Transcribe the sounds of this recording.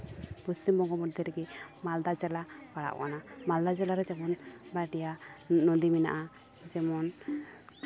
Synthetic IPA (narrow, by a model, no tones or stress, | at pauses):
pɔst͡ʃimbɔŋɡɔmɔd̪ʱjɔɾɛɡɛmald̪ad͡ʒɛlakaɽa̰ʔkanamald̪ad͡ʒɛlaɾɛd͡ʒɛmɔnbaʈijanɔd̪imina̰ʔa | d͡ʒɛmɔn